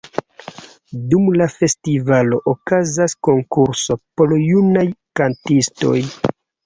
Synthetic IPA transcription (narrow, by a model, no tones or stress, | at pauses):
dumlafe̞stivalo̞ʔokazasko̞ŋkuɾso̞poljunajkantisto̞̰j